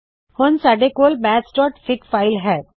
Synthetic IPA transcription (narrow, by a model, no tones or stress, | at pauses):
hʊnsaːɖekoːlbɛːdsʈɔːʈfɪkfaːɪlɦɛː